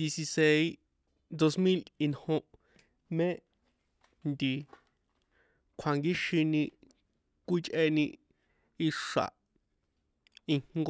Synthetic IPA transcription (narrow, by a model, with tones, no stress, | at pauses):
di˧si˧se˧j | d̪o˧smĩ˦li˧nhõ˧ʔ | mẽ˦ | nd̪i˨ | kʰa˨ŋɡi˦ʃĩ˧nĩ˧ | kʷi˦t͡ʃʔe˧nĩ˧ | i˧ʂa̰˨ʔ | ĩ˧ŋ̥ɡ